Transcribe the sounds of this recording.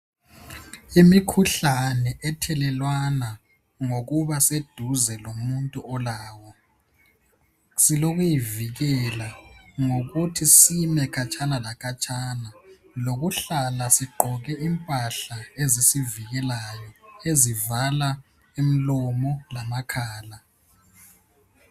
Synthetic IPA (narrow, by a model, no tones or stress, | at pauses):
imikʰuɬanɛʔɛtʰɛlɛlwana | ŋoɣuβased̥ʱuzɛlomuntʼuɔlaːwɔ | siloɣujiviɣɛlaŋoɣutʰisimɛkʰat͡ʃʼʰanalakʰat͡ʃʼana | loɣuɬalasiɡ͡ǃʱɔɣɛʔimpʼaɬaezisiviɣɛlajɔezivala | im̩lɔmɔlamakʰaːla